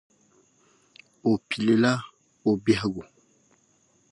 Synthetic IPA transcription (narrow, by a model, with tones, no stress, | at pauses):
o˨pi˨le˨la˦ | o˨bja˦ɡo˨